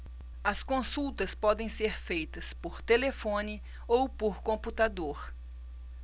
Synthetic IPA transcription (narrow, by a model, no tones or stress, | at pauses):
ɐskõsuwt̪ɐspɔd̪ẽj̃seɾfejt̪ɐspoɾt̪elefõnɪ | owpoɾkõmput̪ad̪oɾ